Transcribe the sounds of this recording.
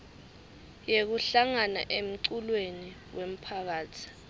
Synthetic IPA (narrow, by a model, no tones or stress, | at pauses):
jek̬uɬaŋana̰ʔem̩ǀulweniwem̩pʰak̬aːtʰi̥